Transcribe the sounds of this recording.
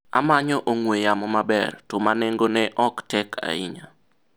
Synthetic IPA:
a̰maɲɔʔoŋwejamɔmabɛ̰rtɔmaneŋɡonɛʔɔktɛkʰa̰ɪ̰ɲa

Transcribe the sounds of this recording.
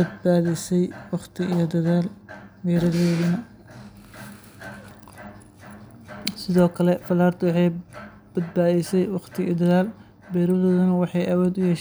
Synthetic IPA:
ɐd̪̚baːðɪsɛjwɑχt̪ʰɪijɔd̪ɐðaːlbɛːɾɐðoːðʊnɐ | sɪðɔːkʰɐlɛfɐlaːrt̪ʰʊwɑħɑj | b̥ɐd̪̚baːðɛsɛjwɑχt̪ʰɪḭːd̪ɐðaːl | bɛːɾɔðɔːðʊnɐwɑħɑjʔɐwɔːd̪ʊjɛːʃ

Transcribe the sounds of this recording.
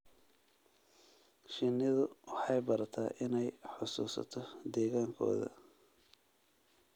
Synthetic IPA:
ʃɪnːɪðʊwɑħɑjbɐɾɐt̪ʰa̰ːʔɪnɛjħʊsuːsɐ̰t̪ʰɔd̪ɛːɣaːŋkʰɔ̰ːðɐ̰

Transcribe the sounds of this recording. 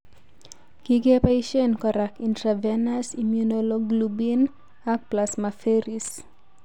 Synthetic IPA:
ɡ̥iɡepajʃɔnkɔɾakintɾavɛnasimjunolɔɡlubin | ak̚plasmafeɾis

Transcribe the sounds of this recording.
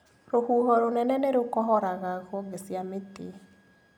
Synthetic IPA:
ɾohuːɦɔɾonɛnɛneɾokɔɦɔɾaɣaɣɔɡesjamete

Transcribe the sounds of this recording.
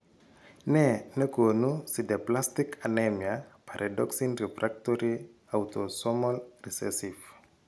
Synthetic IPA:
nɛnəkonusideplastikʰanɛmiapʰaɾʔadɔksinrifɾak̚toɾi | awtɔsɔmɔlrisɛ̰sif

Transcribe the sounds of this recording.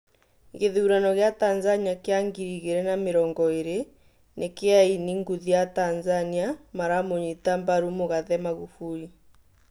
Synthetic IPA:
ɣeðuːɾanɔɣeatanzaniakeaŋɡiɾiɣeɾɛnameɾɔːŋɡɔeɾe | nʔekeainiŋɡuðiatanzaniamaɾamoɲitambaɾumoɣaðɛmaɣufui

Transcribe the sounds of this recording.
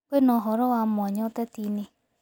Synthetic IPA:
kenɔɦɔɾɔwamɔɲɔtɛtine

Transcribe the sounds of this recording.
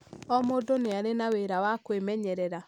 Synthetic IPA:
ɔmodoneaɾenaweɾawakwemɛɲɛɾɛɾa

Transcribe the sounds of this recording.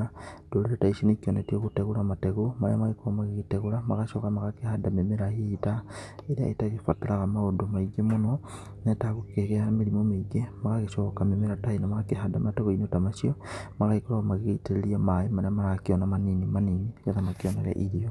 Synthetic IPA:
ad̥oɾeɾetaisinekiɔnetieɣoteɣoɾamateɣomaɾḛamaɣekoamaɣeɣeteɣoɾamaɣaʃokamaɣakehadamemeɾaetaeɾea̰ʔḛtaɣefataɾaɣamaodomaiɡemonɔ | netaɣokeɣeameɾimomeiɡemaɣaɣeʃɔkamemeɾatainamaɣakeɦadamateɣoinotamaʃiɔmaɣaikoɾaɣmaɣeeiteɾeɾiamaemaɾeamaɾakeɔnamaninimaninijaðamakeɔnaɣɛ̰ʔiɾio

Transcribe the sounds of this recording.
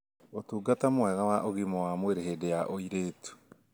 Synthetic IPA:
otuːɡatamwɛɣawaʔoɣimɔwamweɾeɦedejaʔoiɾetu̥

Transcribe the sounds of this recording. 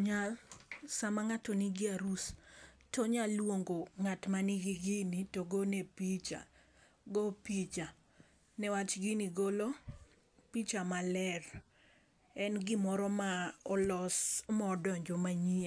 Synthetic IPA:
ɲalsamaŋatoniɡɪaɾustɔɲalːwoŋɡoŋatmaniɡɪɡinitoɡonepit͡ʃa̰ | ɡopit͡ʃa | nɛwat͡ʃɡiniɡolo | pit͡ʃamalɛr | ɛnɡɪmɔɾɔmaɔlɔsmɔdɔɲd͡ʒɔmaɲia

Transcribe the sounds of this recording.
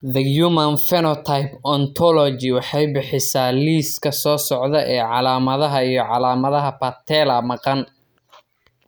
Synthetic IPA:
ðɐjumɐnfɛnɔt̪ʰajpɔnt̪ʰɔlɔt͡ʃɪwɑħɑjbɪħɪsaːliːskʰɐsɔːsɔʕðɐʔɛːʕɑlaːmɐðɐɦɐijɞʕɑlaːmɐðɐɦɐpʰɐt̪ʰɛːlɐmɑqɑn

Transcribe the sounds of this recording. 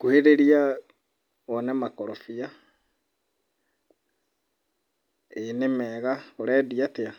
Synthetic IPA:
koheɾeɾia | ɔnɛmakɔɾofia | enemɛːɣakoɾɛːdiatea

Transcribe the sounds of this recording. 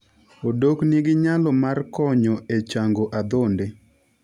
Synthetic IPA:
odokniɡɪɲalɔmarkɔɲɔet͡ʃaŋɡoʔad̪onde

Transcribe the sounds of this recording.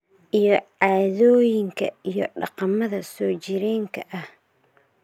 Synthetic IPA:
ʔijɔʕaːðɔːjɪŋkʰɐ̰ijɔɖɑqɑmɐðɐsɔːt͡ʃɪɾɛːŋkʰɐʔɐh

